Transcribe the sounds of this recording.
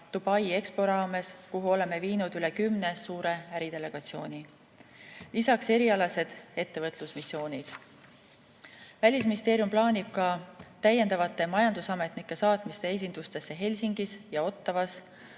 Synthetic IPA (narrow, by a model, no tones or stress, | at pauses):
d̪̥ub̥ɑje̞kspo̞ɾɑːme̞skuɦuo̞le̞me̞viːnud̪̥yle̞kymne̞suːɾe̞æɾid̪̥e̞le̞ɡ̥ɑt̪sio̞ːnʲi | lisɑkse̞ɾiɑlɑse̞d̪̥e̞t̪ːe̞vɤt̪ˑlusmisːjo̞ːnʲid̪̥ | vælʲisminʲist̪eːɾjumplɑːnʲib̥̚kɑt̪æje̞nd̪̥ɑvɑt̪ˑːe̞mɑjɑnd̪usɑme̞t̪nikˑːe̞sɑːt̪ˑmist̪e̞e̞s̬ʲind̪̥ust̪e̞sːe̞ɦe̞lʲsiŋɡ̥isjɑo̞t̪ːɑvɑs